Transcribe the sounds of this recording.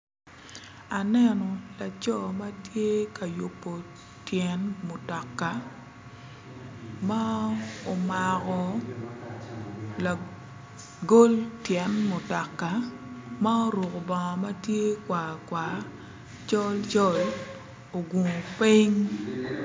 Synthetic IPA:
a˨nɛ˦nɔ˨la˨t͡ʃɔ˦ma˦tje˦ka˨ju˨pːo˨ | tjɛ˨nmo˨tɔ˨kːa˨ | ma˦o˨ma˨kɔ˨ | la˨ | ɡo˦ltjɛ˨nmʊ˨tɔ˨kːa˨ | ma˦o˦ɾu˨ko˨bɔ˨ŋɔ˨ma˦tje˦kwa˨kwa˨ | t͡ʃɔ˦lt͡ʃɔ˦l | o˨ɡu˨ŋ˨pi˦ŋ

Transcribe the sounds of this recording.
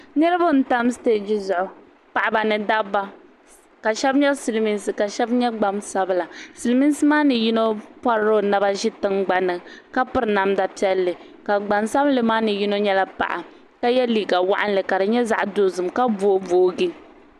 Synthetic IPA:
nɨ˦ɾɨ˦ba˦n̩˨˦ta˦mste˦d͡ʒi˦zʊ˨ʔʊ˨ | pa˨ʔa˨ba˨nɨ˨da˦bːa˦ | ka˨ʃɛ˦bɲɛ˦sɨ˨lmi˦nsɨ˨ka˨ʃɛ˦bɲɛ˦ɡ͡ba˦msa˦bɨ˦la˨sɨ˨lmi˦n˦sɨ˦maː˦nɨ˨ji˦no˦pa˦ɾɾo˦˨na˦ba˦ʒɪ˦tɨ˦ŋɡ͡ba˨nɨ˨ka˦pɨ˨ɾɨ˨˦na˨mda˨pi˦ɛ˦lːɨ˨ | ka˨ɡ͡ba˨nsa˦blɨ˦maː˦nɨ˨ji˦no˦ɲɛ˦la˦pa̰˨ʔa˨ | ka˦jɛ˦liː˨ɡa˨wa̰˦ʔa˦n˦lɨ˨ka˨dɨ˨ɲɛ˦za̰˦ʔdo˨˦zɨ˨mka˦boː˦voː˨˦ɡi˦

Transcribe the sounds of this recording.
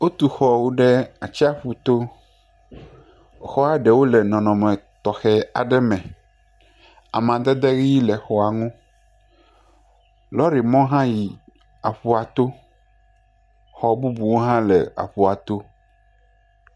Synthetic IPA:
wo˦t̪u˨xɔ˦wu˦ɖɛ˦a˨t͡ɕi˦a˦ɸu˨t̪o˦˨ | xɔ˦a˨ɖɛ˨wo˦lɛ˨nɔ̃˨nɔ̃˨mɛ̃˨t̪ɔ˨xɛ˦a̰˨ɖɛ˦mɛ̃˨ | a˨mã˨d̪ɛ˦d̪ɛ˦ɣi˦i˦lɛ˨xɔ˦a˨ŋũ˦ | lɔ˦ɾi˨mɔ̃˦ɦã˦ji˨ | a˨ɸu˦a˨t̪o˦ | xɔ˨bu˦bu˨wo˦ɦã˦lɛ˨a̰˨ɸu˨a˨t̪o˦

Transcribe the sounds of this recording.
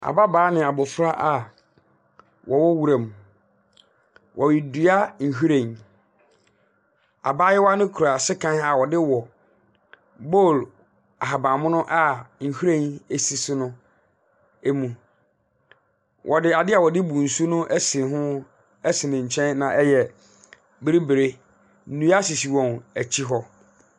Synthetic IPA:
a̰˨ba˦baː˨˦nɪ̃˨a˨bɔ˨fʊ˦ɾa˦ʔa˨ | wʔɔ˨wɔ˦wu˦ɾã˨m˨ | wʔɔ˨ji˨du˨a˦ŋ̩˨ɦu˦ɾẽ˨n | a̰˨baː˦jɛ˦wa˦nɪ̃˦kʰu˨ɾa˨sɪ˦kʰã˦a˨wɔ˨dɪ˦wɔ˨ | bo˦˨l | a˨ɦa˨bã˨mʊ̃˦nʊ̃˦ʔa˦ŋ̩˨hu˦ɾẽ˦˨ne˦si˨sʊ˦nʊ̃˦ | e˦mũ˨ | wʔɔ˨dɪ˦a˨dɪ˦a˨wɔ˨dɪ˦bu˨n̩˨su˦nʊ̃˦ʔɛ˦sɪ˨ɦʊ̃˦ | ɛ˦sɪ˨nɪ̃˨ɲ̩˨t͡ɕʰɛ̃˦nnã˨ʔɛ˦jɛ˨ | bɪ˦ɾi˦bɪ˨ɾe˦ | n̩˦nũ˦a˦si˨si˨wɔ̃˨næ˨t͡ɕʰi˦ɦɔ˦

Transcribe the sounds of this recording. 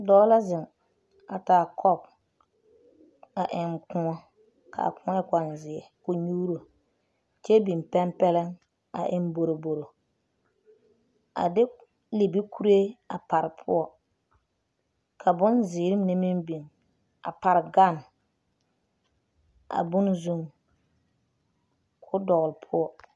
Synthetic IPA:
dɔː˦la˦zɪ˨ŋ | a˨taː˨kʰɔ˦˨b̚ | a˨ʔɪ˨ŋkʊ̃˦ŋɔ˦ | kʰa̰˨kʊ̃˦ɔ˦ɪ˦ka˨nzɪ˨ɛ˨kʊ˦ɲuː˦ɾo˨ | t͡ʃɛ˦bi˨m˨pɛ˦mpɛ˦lɛ˦ŋ | a̰˨ʔɪ˦n˦bo˨ɾo˨bo˨ɾo˨ | a̰˨dɪ˦ | li˨bi˦ku˦ɾe˦a˨pa˨ɾɪ˨pʰʊ̰˦ɔ˨ | kʰa˨bʊ˦nzɪː˨ɾɪ˦m˦nɪ˦mɪ˦mbi˨ŋ | a̰˨pa˨ɾɪ˨ɡa˦˨n | a̰˨bʊ˦nzu˦˨ŋ | kʰʊ˦dɔ˨ɣʊ˨lɪ˨pʰʊ˦ɔ˨

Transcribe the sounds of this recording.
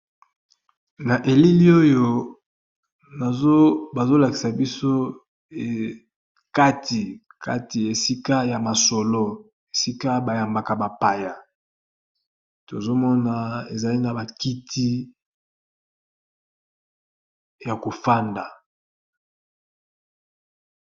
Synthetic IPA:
na˨ʔe˨li˦li˦o˦jo˦ | na˨o˦ba˨zo˦la˨ki̥˨sa˨bi˦so˦˨ | ka˦ti˨ka̰˦ti˨e˨si˦ka˦ja˨ma˨so˨lo˦ | e˨si˦ka˦ba˨ja˨mba˨ka˨ba˨pa˨ja˨ | to˨zo˦mɔ˦na˨e˨za˨li˦na˨ba˨ki˦tʰi˦ | ja˨ko˨fa˦nda˨

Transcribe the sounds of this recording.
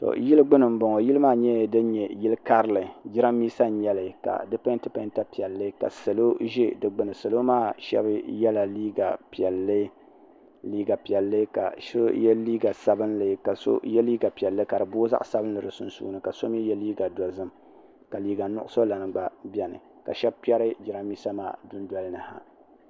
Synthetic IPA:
tɔ̰˨ji˦lɨ˦ɡ͡bɨ˦nɨ˨m̩˦bɔ˨ŋɔ˨ji˦lɨ˦maː˦ɲɛ˦˨dɨ˦n˦ɲɛ˨ji˦lɨ˦ka˦ɾɨ˦lɨ˨d͡ʒɪ˦ɾa˦mːiː˦sa˦ɲɛ˨lɨ˨ka̰˨dɨ˦pa˦ntɨ˦pa˦nta˦pi˨ɛ˨lːɨ˦ka̰˨sɨ˨lo˦ʒɛ˦dɨ˨ɡ͡bɨ˨nɨ˨sɨ˨lo˦maː˦˨ʃɛ̰˦bɨ˦jɛ˦la˨li˦ɡa˨pɛ˨lːɨ˦ | liː˦ɡa˨pi˨ɛ˨lːɨ˦ka̰˨ʃo˦jɛ˦liː˦ɡa˨sa˨bɨ˦nlɨ˨˦ka˨so̰˦jɛ˦liː˦ɡa˨pi˨ɛ˨lːɨ˦ka˨dɨ˨bo˦za̰˦ʔsa˦bɨ˦nː˦ɨ˨ɾɨ˨sʊ̰˦n˦sṵ˨ɡnɨ˦ka˨so˦m˦i˦jɛ˦liː˦ɡa˨dɔ˨zɨ˦m | ka˨liː˦ɡa˨nʊ˦ʔʊ˦so˦la˨nɨ˨ɡ͡ba˦bɛ˨nɨ̰˨ | ka̰˨ʃɛ˦b̚pɛ˦ɾɨ˦d͡ʒɪ˨ɾa˦mːiː˦sa˦maː˦˨dʊ˦n˦dɔ˦lɨ˦nɨ˨ha̰˨

